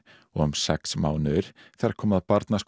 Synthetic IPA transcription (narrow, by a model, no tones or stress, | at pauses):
ɔɣʏmsɛksmaːwnʏɾ̥θɛɾaɾkʰɔːmaðpaɾt̪nask